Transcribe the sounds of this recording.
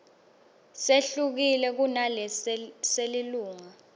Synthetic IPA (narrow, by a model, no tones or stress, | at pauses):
seɬuk̬ilɛk̬unalɛseliluːŋa